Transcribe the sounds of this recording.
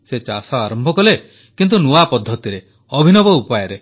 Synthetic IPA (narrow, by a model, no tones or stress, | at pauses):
set͡ʃasɔaɾɔmbʱɔkɔle | kint̪̬unuapɔd̪ʱːɔt̪iɾe | ɔbʱinɔbɔupajeɾe